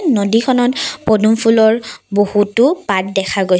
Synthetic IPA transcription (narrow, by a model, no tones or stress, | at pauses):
nodikʰɔnɔtpodumpʰulɔɹbohutʊpat̚dɛkʰaɡoj